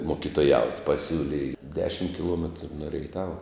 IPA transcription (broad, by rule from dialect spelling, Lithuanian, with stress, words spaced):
moːkʲɪtoːˈjɛʊtʲ pɐˈsʲuːlʲɪj ˈdʲæːʃʲɪm kʲɪˈlˠuɔmʲɛtrʊ nʊ rʲɛɪˈtɑːʋɐ